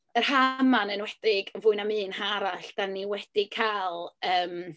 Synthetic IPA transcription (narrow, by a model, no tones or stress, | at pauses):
ərhamanənwɛd̥ɪɡənvʊɨnamɨːnhaɾaɬd̥anːiwɛd̥ɪkʰalˠəːm